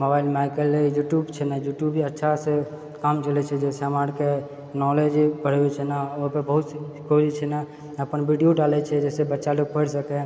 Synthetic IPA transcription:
mobaɪlmaɪkəlːejuʈjubt͡ʃʰɛnajuʈjubiətːʃʰase | kamt͡ʃəlɛt͡ʃʰɛd͡ʒɛseəmaɽke | nɔled͡ʒbəɽbɛt͡ʃʰɛnaoɦpebəɦut̪se | koɾit͡ʃʰɛna | əpənbʱiɖijoɖalɛt͡ʃʰɛd͡ʒɛsebətːʃaloɡ̚pʰəɽsəkɛ

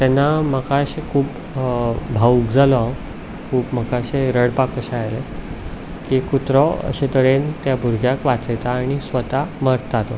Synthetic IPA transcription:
t̪jɛnːaməkaəɕekʰuːp | bʱaukd͡zalɔ | kʰuːpməkaəɕeɾəɽpakːəɕajle | kikut̪ɾɔə̰ɕet̪əɽent̪jabʱuɾɡʱjakʋat͡səjt̪aːɽ̃isʋət̪aməɾt̪d͡zat̪ɔ

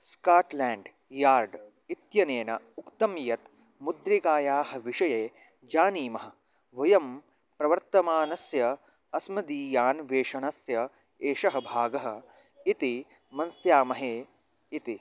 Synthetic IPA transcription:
skaːʈlɛːɳɖ | jaːɾɖ | it̪jɐneːnɐ | ukt̪ɐmjɐt̪ | mud̪ɾiɡaːjaːhɐ̆ʋiʂɐjeː | d͡ʒaːniːmɐɦɐ | ʋɐjɐm | pɾɐʋɐɾt̪ɐmaːnɐsjɐ | ɐsmɐd̪iːjaːnʋeːʂɐɳɐsjɐ | eːʂɐɦɐ̆bʱaːɡɐɦɐ̆it̪imɐnsjaːmɐɦeː | it̪i

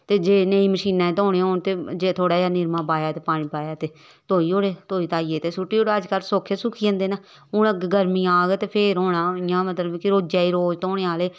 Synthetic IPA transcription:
t̪eːd͡ʒeːneiːməʃiːnãːẽːt̪ɦõːɽeoːnt̪eːd͡ʒeːt̪ʰoːɽaːjaːnɪɾmãːbaːjaːt̪eːpaːɽ̃ĩːbaːjaːt̪eː | t̪oːiːoːɽeːt̪oːiːt̪aːiːeːt̪eːsʊʈːiːoːɽeːəd͡ʒkəlsoːkʰesʊkʰiːə̃nd̪eːna | ʊnɡɡəɾmiːaːɡet̪eːpʰeːɾɦoːnãːɪjãːmət̪ləbkɪɾoːd͡ʒaːiːɾoːd͡ʒt̪oːɽeːaːleː

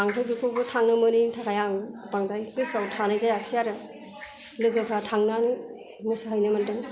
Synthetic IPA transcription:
aŋpʰɯjbikʰobɯtʰaŋnɯmɯnitʰakʰajaŋ | paŋdajkɯsawtʰanajzajaksijaɾɯ | lɯɡɯpʰɾatʰaŋnani | mɯsɯɦɯjnɯmandɯŋ

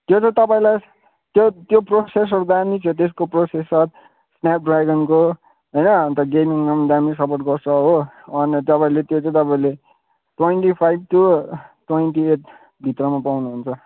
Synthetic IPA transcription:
t̪jot͡sʌ̃t̪ʌpãĩlaj | t̪jot̪joproses̬ʌɾd̪amit͡sʰʌ̃t̪es̬koprosesʌɾ | snap̚ɖraɡʌnko | ɦʌjnʌnt̪ʌɡemiŋnamd̪amisʌporʈɡʌrsʌɦo | ʌnt̪ʌpaĩlet̪jot͡sãĩt̪ʌpaĩle | ʈwenʈipʰajb̚ʈuʈwenʈieʈ | bʱit̪rʌmapawnuɦunt͡sʰʌ

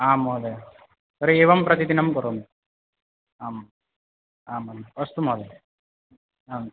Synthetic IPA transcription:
aːmod̪e | sɐɾeeːʋɐmpɾɐt̪id̪inɐmkɐɾoːn | aːm | aːmɐnɐst̪umoːd̪e | aː

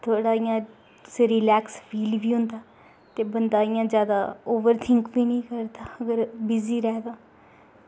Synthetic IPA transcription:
t̪ʰoːɽaːɪjãː | sɾilɛːkspʰiːlbiːɦʊ̃nd̪aː | t̪eːbənd̪aːɪjãːd͡ʒjaːd̪aːoːʋəɾt̪ʰɪŋkbiːnĩːkəɾd̪aːəɡəɾbɪziːɾɛːd̪aː

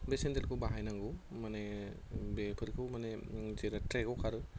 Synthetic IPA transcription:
besendelkʰubaɦajnaŋɡumane | bepʰɯɾkʰɯwmanezeɾatɾekɯwkʰaɾɯ

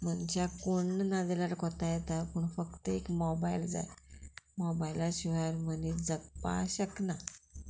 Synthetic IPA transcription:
m̤ənt͡ɕakoɳːnad̪elaɾkɔt̪ajɛt̪apuɳfəkt̪əekmɔbaild͡za̰jmɔbajlaɕiʋaaɾmənid͡zəɡpa̰ɕəkna

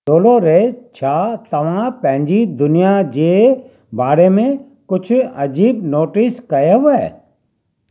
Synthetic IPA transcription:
doːloɾet͡ʃʰaːt̪ɐʋ̤ãːpɛ̃ɦɪ̃ɲd͡ʒid̪ʊnɪjad͡ʒeː | baːɾemẽ | kʊt͡ʃʰɐd͡ʒiːbnoːʈɪskɐjeɦʊɛː

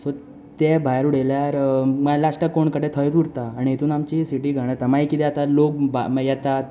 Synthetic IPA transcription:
so | t̪ebʱajaɾuɽ̤eljaɾmalaʂʈəkoɳkəɽet̪ʰəjt̪uɽt̪aːɽ̃iɦet̪uːnamt͡ɕisiʈiːɡʱəɽ̃at̪amaikit̪ɛat̪alok̚bajɛt̪at̪

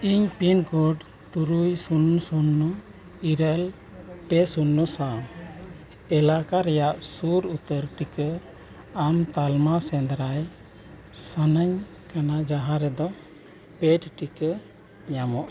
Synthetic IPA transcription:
iɲpinkɔɖ | t̪uɾujsunːsunːɔ | iɾəl | pɛsunːɔsam | ɛlakaɾɛjaʔsuɾut̪əɾʈikə | amt̪almasɛnd̪ɾaj | sanəɲ | kanad͡ʒaɦaɾɛd̪ɔ | pɛʈʈikə | ɲamɔʔ

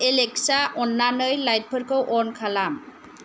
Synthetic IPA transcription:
eleksaʔɔnːanɯjlajt̚pʰɯɾkɯwʔɔɾnkʰalam

